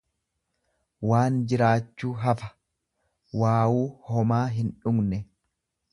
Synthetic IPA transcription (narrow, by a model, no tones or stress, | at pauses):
waːnd͡ʒɪɾaːt͡ʃːuːɦɐfɐ̥ | waːwuːhɔmaːɦɪnᶑʊɡnɛ